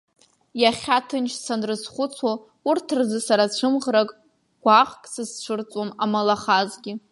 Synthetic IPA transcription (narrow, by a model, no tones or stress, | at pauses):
jaχʲatʰɨnt͡ʃʰsanrɨsχʷʊt͡sʷʰo | urtʰɨrzɨsaɾat͡ɕʷʰɨmʁrakʼ | ɡ̥ʷaχkʼsɨzt͡ʃʷʰɨrt͡sʷʼomamalaχazɡʲɪ